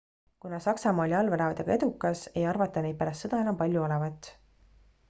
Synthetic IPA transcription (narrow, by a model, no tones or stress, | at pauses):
kunɑsɑksɑmɑːlʲiɑlveɾɑvɑt̪eɡ̥ɑe̞d̪ukːˑɑse̞jɑrvɑt̪ːˑɑnejt̪̚pæɾɑst̪sɤd̪̥ɑe̞nɑmpɑlʲjuo̞levɑt̪ːˑ